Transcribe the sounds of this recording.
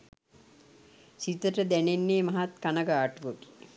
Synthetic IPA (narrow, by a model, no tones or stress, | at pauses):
sit̪əʈəd̪ænenːeːmaɦat̪kanəɡaːʈuʋəɡi̥